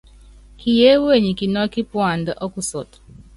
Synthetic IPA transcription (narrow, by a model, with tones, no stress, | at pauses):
ki˨je˦we˦˨ɲi˨ki˨nɔ˦ki˦pwa˨nda˨ʔɔ˦ku˦sɔ˨tɔ̥˨